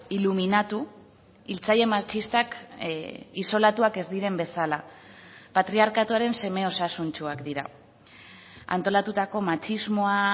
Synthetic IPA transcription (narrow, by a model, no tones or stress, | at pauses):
iluminat̪u | ilt͡saje̞mat͡ʃist̪ak | iso̞lat̪uake̞zd̪iɾe̞mbe̞sala | pat̪ɾiaɾkat̪uaɾe̞nse̞me̞o̞sasunt͡ʃuakd̪iɾa̰ | a̰nt̪o̞lat̪ut̪ako̞mat͡ʃizmo̞a